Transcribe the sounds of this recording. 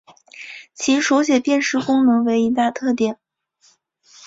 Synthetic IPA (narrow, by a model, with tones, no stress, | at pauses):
t͡ɕʰi˧˥ʂo˧˥ʊɕjɛ˨˩pjɛ˥˧nʂɻ̩˥˩kʊ˥ŋnɤ˧˥ŋwe˧˥ɪi˧˥t̪a˥˧t̪ʰɤ˥˩t̪jɛ˨˩˦n